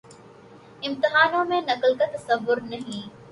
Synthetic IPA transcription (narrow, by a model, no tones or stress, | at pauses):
ɪ̃mt̪ɪɦaːnõmẽnɐklkat̪ɐsɐʋːʊɾnɐɦĩː